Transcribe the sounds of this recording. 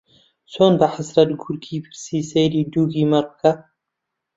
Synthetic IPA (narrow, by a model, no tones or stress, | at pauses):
t͡sʰoːnbaħasɾɐt̪ɡuɾɡʰiːpʰɨɾsiːsejɾiːd̪uːɡiːmɐɾkɐ